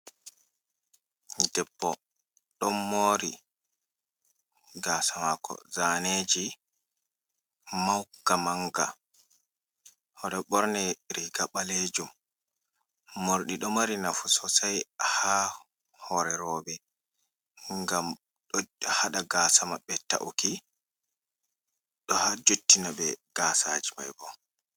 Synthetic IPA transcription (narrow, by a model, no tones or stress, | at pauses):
dɛbːɔ | ɗɔmːoːɾi | ɡaːsamakːɔ̰zaned͡ʒi | mawkamaŋɡa̰ | ʔɔɗɔɓɔɾnɛɾiɡaɓaled͡ʒum | oɾɗiɗɔmaɾinafusɔsajha | hɔɾɛɾɔːbɛ | ŋɡam | ɗɔhaɗaɡaːsamabɛta̰ʔuki | ɗɔhad͡ʒotːinaɓɛɡ̥aːsa̰d͡ʒima̰jbɔ